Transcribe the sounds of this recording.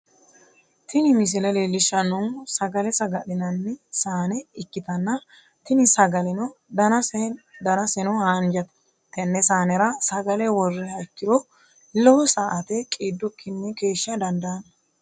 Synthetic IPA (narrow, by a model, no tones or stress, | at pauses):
t̪ʰɪnɪmɪs̬ɪlɐlelːɪʃːɐnɔŋsɐɡɐlɛsɐɡɐɗɪnɐnːɛsaːnɛɪkːɪt̪ɐnːɐ | t̪ɪnɪsɐɡɐlɛnɔd̪ɐ | d̪ɐnɐsɛnɔhaːnd͡ʒɐt̪ɐ̥ | t̪ːɛnːɛsaːnɛɾɐsɐɡɐlɛwɔrːɛɐɪkːɪd̪ɔ | lɔwɔsaːʔɐt̪ɛkʼeːd̪ːɔkʰːɪnːɛke̞ːʃːɐd̪ɐnd̪ɐnɐ